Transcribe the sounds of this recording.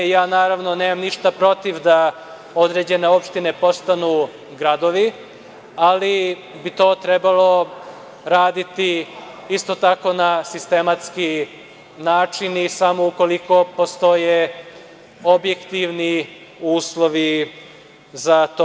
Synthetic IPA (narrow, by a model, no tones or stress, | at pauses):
jaːnaːɾaʋno̞neːmamniʃt̪apɾo̞t̪iʋd̪a | o̞d̪ɾe̞ːd͡ʑe̞ne̞o̞pʃt̪ine̞po̞st̪anuː | ɡɾad̪o̞ʋi | ali | bit̪o̞ːt̪ɾebalˠo̞ | ɾaːd̪it̪i | ist̪o̞t̪ako̞nasist̪e̞mat̪ski | naːt͡ʃinisamo̞uko̞liko̞po̞st̪o̞je | objekt̪iʋni | uːslˠo̞ʋi | zat̪o